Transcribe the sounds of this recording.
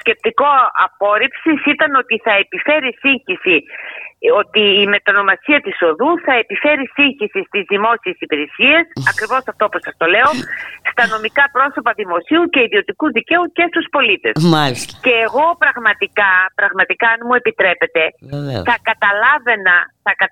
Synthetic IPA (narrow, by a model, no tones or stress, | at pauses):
osce̞p̚t̪iko̞ɐ̰po̞ɾipsisit̪ɐno̞t̪iθɐepife̞ɾisiɲçisi | ot̪iːme̞t̪ono̞mɐsiɐt̪iso̞ðuθɐe̞pife̞ɾisiɲçisist̪izðimo̞sie̞sipiɾesie̞sɐkɾivo̞sɐft̪o̞posɐst̪o̞le̞o̞st̪ɐno̞mikɐpɾo̞so̞pɐðimo̞siuce̞iðio̞t̪ikuðice̞uce̞st̪uspo̞lit̪e̞smalisce̞ːɣo̞pɾɐɣmɐt̪ikɐpɾɐɣmɐt̪ikɐnmue̞pit̪ɾe̞pe̞t̪e̞θɐkɐt̪ɐlɐve̞nɐθɐkɐ